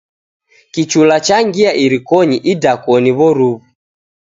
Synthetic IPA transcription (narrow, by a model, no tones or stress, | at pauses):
kit͡ʃulat͡ʃaŋɡiaʔiɾikɔɲiʔidakɔniβɔɾuβu